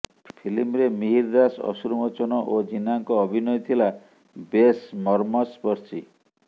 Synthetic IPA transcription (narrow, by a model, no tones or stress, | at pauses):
pʰilimɾemiɦiɾd̪asɔ̰suɾmɔt͡ʃɔnɔʔod͡ʒinaŋkɔːbʱinɔjɔt̪ʰila | besmɔɾmɔspɔɾsi